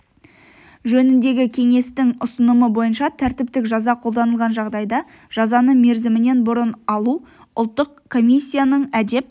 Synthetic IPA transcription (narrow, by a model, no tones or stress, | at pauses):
ʒɵnɪnd̪e̞ɡʲɪkʲʰe̞ŋe̞st̪ɪŋʊsənəməbo̞jənʃɑt̪ʰæɾt̪ɪp̚t̪ɪkʒɑzɑqʰo̞lˠd̪ɑnəlˠʁɑnʒɑʁd̪ɑjd̪ɑ | ʒ̥ɑzɑnəɴme̞ɾzɪmɪne̞nbʊɾənɑlˠu | ʊ̰lˠt̪ːəqkʰo̞mʲijsʲːijanəɴæd̪e̞p̚